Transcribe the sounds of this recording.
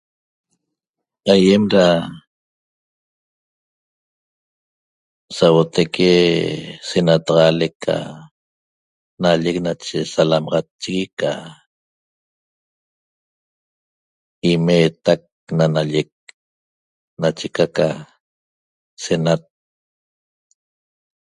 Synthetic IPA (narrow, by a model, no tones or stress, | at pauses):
ajemɾa | sawot̪ekʰe | senat̪ɑʁɑlekʰːa̰ | naʎek̚nat͡ʃesalamɑʁɑt͡ʃːiɣika̰ | imeːt̪ak̚nanaʎek̚ | nat͡ʃekaka | senat̪̚